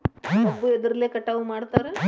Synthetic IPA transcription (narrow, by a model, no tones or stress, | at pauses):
pəbːued̪əɾlekəʈaʋumaɽt̪aɾə